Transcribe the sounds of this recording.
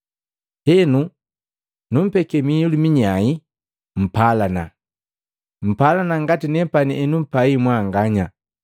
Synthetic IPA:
hɛnu | num̩pɛkɛmiulumiɲai | m̩palana̰ | m̩palanaŋɡatinɛpaniʔɛnum̩paimwaŋɡaɲa

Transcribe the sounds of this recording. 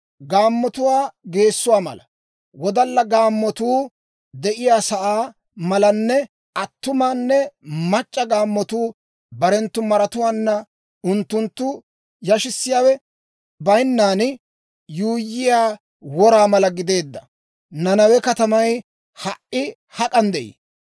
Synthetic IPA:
ɡaːmːɔt̪ʊwaːɡe̞ːsːʊwaːmɐ̰lɐ | wɔd̪ɐlːɐɡaːmːɔt̪uː | d̪ɛʔɪjaːsɐʔaː | mɐlɐnːɛ | ɐt̪ːʊmaːnːɛmɐt͡ʃʼːɐɡaːmːɔt̪uː | bɐɾɛnt̪ːʊmɐɾɐt̪ʊwaːnːɐ | ʊnt̪ːʊnt̪ːʊ | jɐʃɪsːɪjaːwɛ | bɐjnːaːnɪ | juːjːɪjaː | wɔɾaːmɐlɐɡɪd̪e̞ːd̪ːɐ | nɐnɐwɛkɐt̪ɐmɐj | hɐʔʔɪ | hɐkʼɐnd̪ɛʔḭː

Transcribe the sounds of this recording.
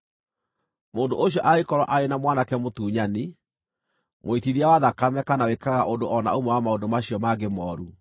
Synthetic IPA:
moːndo̰ʔoɕ̬jɔʔaekɔɾwa̰ʔaɾenamwanakɛmotuːɲani | moitiðiawaðakamɛkanawekaɣaʔondoɔna̰omɛwamaondomaɕiɔmaɡemɔːɾu

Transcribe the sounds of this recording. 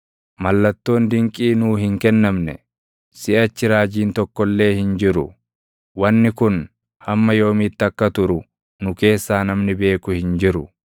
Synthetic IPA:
mɐlːɐt̪ːo̞ːnd̪ɪŋkʼiːnuːɦɪŋkɛnːɐmnɛ̰ | sɪʔɐt͡ʃːɪɾaːd͡ʒiːnt̪ɔkːɔlːe̞ːhɪnd͡ʒɪɾʊ̰ | wɐnːɪkʊn | hɐmːɐjo̞ːmiːt̪ːɐkːɐt̪ʊɾʊ | nʊke̞ːsːaːnɐmnɪbe̞ːkʊhɪnd͡ʒɪɾʊ

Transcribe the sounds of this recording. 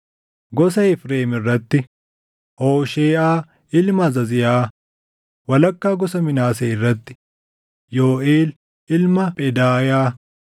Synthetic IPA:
ɡɔsɐɪfɾeːmɪrːɐt̪ːɪ | ʔoːʃeːʔaː | ɪlmɐzɐzɪjaː | wɐlɐkːaːɡɔsɐmɪnaːseːɪrːɐt̪ːɪ̥ | joːʔeːl | ɪlmɐpʼɛd̪aːjaː

